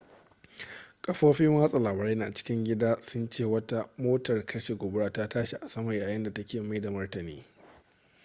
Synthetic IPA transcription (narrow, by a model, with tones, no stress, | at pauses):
kʼɐ˦ɸoː˦ɸɪ˦mwaː˦sʼa˨laː˨baː˨ɾeː˦naː˨t͡ʃɪ̥˦kʲɪ˦ŋɡʲɪ˦daː˦sʊ˦nt͡ʃeː˦˨wɐ˦ta˦moː˦tɐ˨rkʰɐ˦ʃe˨ɡʷoː˨bɽaː˦ta˦taː˦ʃi˨ʔa˨sɐ˦mɐ˨jjaː˨jɪ˦nda˨tɐ˦kʲeː˨ma˦da˨mɐ˦rtɐ˨niː˦